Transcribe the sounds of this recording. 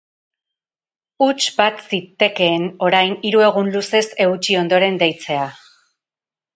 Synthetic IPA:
ut͡ʃbat̪sit̪e̞ke̞ːno̞ɾajniɾue̞ɣ̞unluse̞se̞ɣut͡ʃio̞nd̪o̞ɾe̞nd̪ejt͡se̞a

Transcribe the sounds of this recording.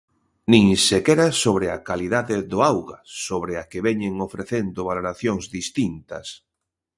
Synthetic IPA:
nĩŋsekɛɾasoβɾɪa̰kaliðaðɪðʊawɣasoβɾɪakeβɛɲeŋofɾeθend̪ʊβaloɾaθjoŋzðist̪int̪ɐ̰s

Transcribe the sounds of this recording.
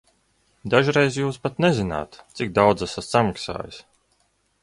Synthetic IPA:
d̪aʒɾejzjuːspat̪nezina̰ːt̪t̪sik̚d̪awd̪zasassamaksa̰ːjis

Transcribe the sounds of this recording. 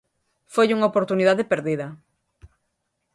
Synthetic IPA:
fojuŋaopoɾt̪uniðaðɪpeɾðiðɐ

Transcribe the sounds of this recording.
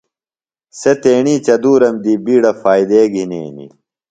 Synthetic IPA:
set̪eːɳiːt͡ɕɐd̪uːɾɐmd̪iːbiːɽɐfaːid̪eːɡʱinḛːnḭ

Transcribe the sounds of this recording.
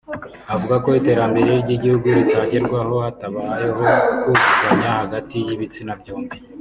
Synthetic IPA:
avuɡako̞ite̞ːɾambe̞ɾe̞jiɾɟiɟihuɡuitaːɲɟiɾɡwaho̞hataβaːje̞ɦo̞kuvukaɲahaɡatijiβit͡sinabɟoːmbi

